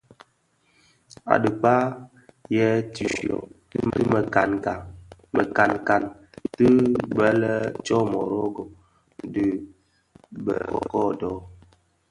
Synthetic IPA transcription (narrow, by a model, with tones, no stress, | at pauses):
a̰˨də˨k͡pa˦ | jɛ˦ti˨ʃɔ̰˨tmə˨ka˨na˨mə˨ka˨nka˨n | tɨ˦bə˦lə˦t͡ʃɔ˦mɔ̰˨ɾo˦ɡo˨ | də˨ | bə̰˨ɔ̰˨kɔ˦dɔ˨˦